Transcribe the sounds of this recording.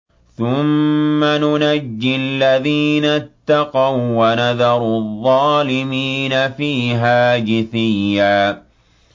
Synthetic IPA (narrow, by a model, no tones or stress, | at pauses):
θʊmːanʊnad͡ʒːɪalːaðiːnat̪ːɑqɑwwanaðɑɾˤðˤːɑːlɪmiːnafiːɦaːd͡ʒɪθɪjːaː